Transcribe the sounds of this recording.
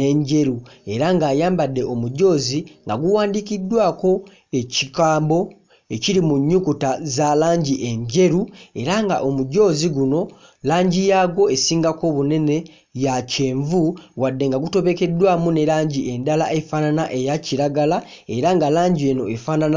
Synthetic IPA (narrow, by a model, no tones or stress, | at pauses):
ne̞ɲɟe̞ɾue̞ɾaŋɡaːjaːmbadːe̞omuɟo̞ːziŋɡaɡuwaːndikidːwaːko̞ | e̞cikaːmbo̞ | e̞ciɾimuɲːukutazalaːɲɟiʔe̞ɲɟe̞ɾue̞ɾaŋɡa̰ʔo̞muɟo̞ːziɡuno̞ | laːɲɟijaːɡo̞e̞siːŋɡako̞βune̞ne̞ | jace̞ːɱvuɣwadːe̞ŋɡaɡuto̞βe̞ke̞dwaːmune̞laːɲɟie̞ndalaʔe̞fananaʔe̞jaciɾaɡala | e̞ɾaŋɡalaːɲɟie̞no̞efanana